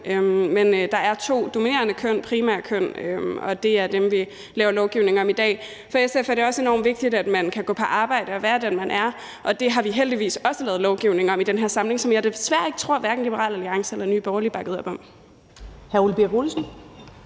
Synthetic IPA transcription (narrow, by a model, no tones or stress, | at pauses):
ʔømmend̥ɑ̈æɐt͡sʰo̝̰ːd̥o̝mine̝̰ːɐnəkʰøn̰pʰʁiːmæɐkʰøn̰øɒ̽d̥e̝æɐd̥emʋi | lɛːʊɐlɒʊɡ̥iʊne̝ŋɒ̽mid̥ɛ̰ː | fɒ̽esefæɐɾ̥e̝ɒ̽se̝nɒ̰ːmʋe̝ɡ̥̚d̥id̥æd̥mænkʰæɡ̥ɔ̰̽ːpʰɒ̽ʔɑ̈ːb̥ɑ̈ɪ̰ɾ̥əɒ̽ʋæːɐd̥enmænʔæɐ | ʔɒ̽d̥e̝ɦɑ̈ʋiɦeld̥iʋḭːsɒ̽səlɛːð̩ˠlɒʊɡ̥iʊne̝ŋɒ̽mid̥enɦæɐ̰sɑ̈mle̝ŋsɒ̽mjɑ̈ɪd̥esʋæɐ̰e̝ɡ̥ət͡sʰʁo̝ɐ̰ʋæɐɡ̥n̩lib̥əʁɑ̰̈ːlæliɑ̈ŋsɐelɐny̰ːb̥ɒʊɐlib̥ɑ̈ɡ̥əð̩ˠɐb̥ɒ̽m̰ | hæɐulb̥iɡolsn̩